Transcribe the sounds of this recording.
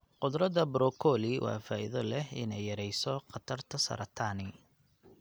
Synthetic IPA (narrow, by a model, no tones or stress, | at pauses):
qʊd̪ɾɐd̪ɐbɾɔkʰɔːliwʔɑ̰ːfaːʔḭðɔlɛhɪ̰nɛjːɐɾɛjsɔqɑt̪ʰɐrt̪ʰɐsɐ̰ɾɐt̪ʰaːnɪ